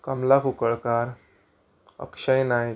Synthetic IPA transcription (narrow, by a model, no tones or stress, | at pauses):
kəmlakukəɭkaɾ | ə̰kʂəjnaj